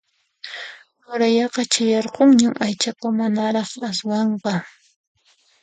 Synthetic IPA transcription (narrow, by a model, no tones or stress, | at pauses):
hʊɾajɑqɑt͡ʃajɑɾqoŋɲamʔajt͡ʃakʊmanaɾɑχaswɑɴqɑ